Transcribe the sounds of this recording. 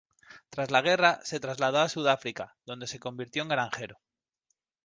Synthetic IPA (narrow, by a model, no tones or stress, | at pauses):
t̪ɾazlaɣ̞e̞rase̞t̪ɾazlað̞oasuð̞afɾikaðo̞nd̪e̞se̞ko̞mbiɾt̪jo̞eŋɡɾaŋxe̞ɾo